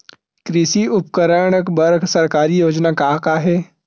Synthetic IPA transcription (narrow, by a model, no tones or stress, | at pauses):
kɾɪʃiʊpkəɾəɳ̃əkbəɾɡʰʱsɐɾkaːɾijoːd͡ʒnakaːkaːɦɛː